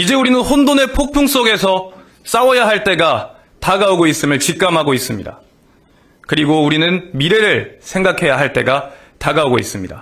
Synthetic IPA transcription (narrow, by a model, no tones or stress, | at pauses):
id͡ʑe̞uɾinɯnhondone̞pʰok̚pʰuŋs͈oɡe̞sʰʌ | s͈awʌjaɦaɭt͈e̞ɡa | taɡauɡois͈ɯmɯɭt͡ɕik̚k͈amɦaɡois͈ɯmɲida̰ | kɯɾiɡouɾinɯnmiɾe̞ɾɯɭsʰe̞ŋɡakʰe̞jaɦaɭt͈e̞̰ɡa | taɡauɡoḭs͈ɯmɲida̰